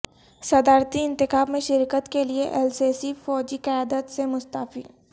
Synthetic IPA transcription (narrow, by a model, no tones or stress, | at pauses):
sɐd̪aːɾt̪iɪ̃nt̪ɪxaːbmẽʃɪɾkət̪kelieʔɛlseːsifɔːd͡ʒiqɐjaːd̪ət̪semʊst̪aːfḭː